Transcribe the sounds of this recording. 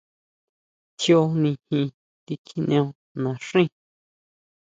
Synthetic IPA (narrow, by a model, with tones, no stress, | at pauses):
t͡ʃjo˧nĩ˧hĩ˧ | t̪i˧kʰi˧n˧õ˧ | nã˨ʂĩ˦˨